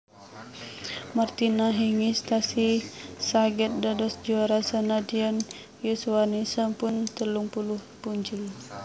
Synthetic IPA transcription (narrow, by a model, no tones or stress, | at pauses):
mart̪inaɦiŋist̪asisaɡɛt̪̚dadɔsd͡ʒuaɾasanadiɔn | jusuanisampunt̪əluŋpuluhpuɲt͡ʃil